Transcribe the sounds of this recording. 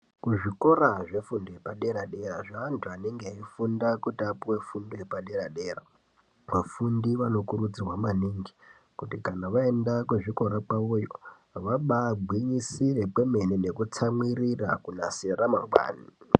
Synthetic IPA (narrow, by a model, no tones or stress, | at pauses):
kuʐiko̞ɾaʐe̞fundojepaɗe̞ɾaɗe̞raʐaːntʰuane̞ŋɡeaifundakutapuwe̞fundojepaɗe̞ɾaɗe̞ːra | mafundiʋano̞kuɾud͡zirwamaniːŋɡi | kutikanaʋae̞ndakuʐiko̞ɾapaojo̰ | ʋaɓaːbʱwiɲisire̞pe̞me̞nine̞kut͡samwirira̰kunaseɾamaŋɡ͡bwa̰ːni